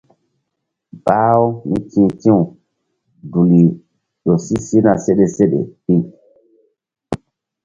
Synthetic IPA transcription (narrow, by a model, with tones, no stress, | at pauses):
baː˦o˦nḭ˦tʰĩ˦tĩ˦u˨ | du˨li˨ | ɗo˨si˦si˦na˨se˦ɗe˨se˦ɗḛ˨ɗi˦